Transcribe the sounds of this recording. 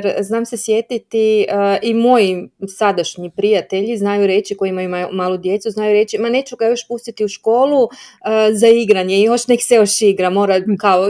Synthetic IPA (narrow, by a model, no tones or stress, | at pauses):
jeɾznaːmse̞sjet̪it̪iimo̞jisad̪aʃɲipɾijat̪e̞ʎiznajuɾe̞ːt͡ʃikojiimajumajumaːlˠod̪je̞t̪suznaːjuɾe̞t͡ɕimane̞t͡ʃuɡajoʃpust̪it̪iuʃko̞ːlˠu | zaiɡɾaɲeioʃnekseoʃiɡɾamo̞ːɾakao